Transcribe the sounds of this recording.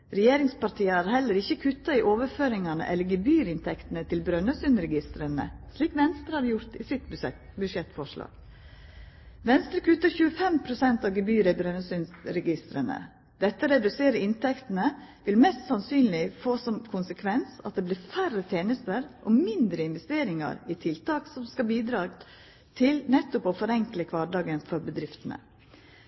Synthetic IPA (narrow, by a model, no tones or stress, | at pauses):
ɾɛjeːɾɪŋspɑɾʈ̪ʰiːəæɾhɛlːəɾɪçːəkʰʉt̪ːɑɪʔoːʋəɾføːɾɪŋɑnə̰ʔɛ̰ləɾɡɛbyːɾɪnt̪ʰɛkt̪n̩ət̪ʰɪlbɾœnəsynɾɛɡɪst̪ɾənə̰sliːkʋɛnst̪ɾəhɑɾjʊɾt̪ɪsɪt̪bbʉʂɛt̪fɔʂlɑ̰ːɡ̥ | ʋɛnst̪ɾəkʉt̪ːəçʉːəfɛmpʰɾʊsɛnt̪ɑʋɡəbyːɾəɪbɾœnːəsʏnsɾɛɡɪst̪ɾənə̰ | d̪ɛt̪ːəɾɛd̪ʉseːɾəɪnt̪ʰɛkt̪n̩əʋɪlmɛst̪sɑnsyːnlɪfoːsɔmkʰʊnsəkʰʋɛnsɑ̰t̪̚d̪ɛblɪːɾfærət̪ʰeːnəst̪əɾʔɔmɪnd̪ɾəɪnʋɛst̪eːɾɪŋɑ̰ɾɪt̪ʰɪlt̪ɑːksɔmskɑbiːd̪ɾɑː | t̪ʰɪlnɛt̪ːʊpofɔɾɛŋkləkʰʋɑɖɑːɡənfɔɾbəd̪ɾɪft̪ən̩ə̰